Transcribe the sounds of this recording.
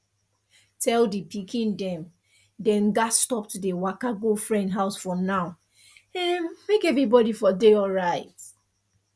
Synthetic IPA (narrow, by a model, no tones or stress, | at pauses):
tʰɛldipʰikʰĩndɛ̃m | dɛ̃nɡastɔp̚tudewakaɡofɹɛ̃ndɦaʊsfɹɔ̃mnaʊ | ɛ̃mekɛvɹibɔdifɔdeɔlɹaɪt